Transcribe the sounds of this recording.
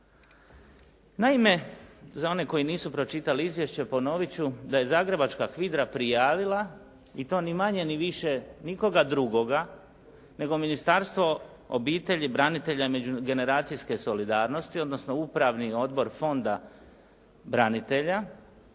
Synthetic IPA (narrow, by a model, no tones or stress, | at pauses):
naime̞zao̞ne̞ko̞jiniːsupɾo̞t͡ʃit̪aliizʋje̞ʃt͡ɕe̞po̞no̞ʋit͡ɕud̪aje̞zaːɡɾe̞bat͡ʃkakʋid̪ɾapɾijaːʋilˠa | it̪o̞ːnimaɲe̞niʋiʃeniko̞ɡad̪ɾuɡo̞ɡa | ne̞ɡo̞minist̪aːɾst̪ʋo̞ | o̰biːt̪e̞ʎibɾanit̪e̞ʎaime̞d͡ʑuɡe̞ne̞ɾaːt̪sijske̞so̞lid̪aːɾno̞st̪io̞d̪no̞sno̞upɾaʋnio̞d̪bo̞ɾfo̞nd̪a | bɾanit̪e̞ʎa